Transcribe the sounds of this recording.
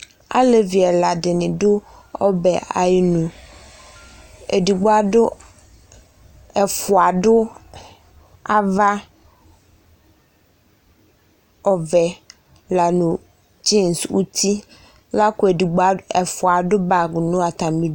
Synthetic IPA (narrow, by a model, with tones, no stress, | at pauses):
a̰˦le˨vi˨ɛ˨la˨dɪ˨nɪ̃˨dʊ˦ | ɔ˦bɛ˨a̰˨jnũ˨ | e˨di˨ɡ͡bo˦a˨dʊ˦ | ɛ˨fʊ˨a˨ɖʊ˦ | a˨va˦ | ɔ˨vɛ˨ | la˨nʊ̃˨ | d͡ʒe˦˨nswu˦t̪ʰi˦ | la˦kʊ˦e˨di˨ɡ͡ba˨ɛ˨fʊ˨a˨ɖʊ˦ba˨ɡnʊ̃˦a˨t̪a˨mĩ˦d